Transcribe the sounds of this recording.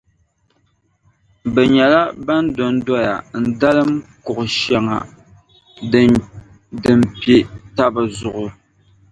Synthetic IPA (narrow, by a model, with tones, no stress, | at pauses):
bɛ˨ɲɛ˨la˦ba˦ndo˨n˦dɔ˦ja˨n̩˨da˦lɨ˦mkʊ˨ʔʊ˨ʃa˨ŋa̰˨ | dɨ˨mpe˦ta˦ba˨zʊ˨ʔʊ˨